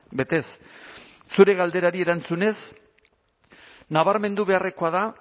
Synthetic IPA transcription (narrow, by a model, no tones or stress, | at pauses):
be̞t̪e̞s | suɾe̞ɣald̪e̞ɾaɾie̞ɾant͡sune̞s | naβaɾme̞nd̪uβe̞are̞ko̞aða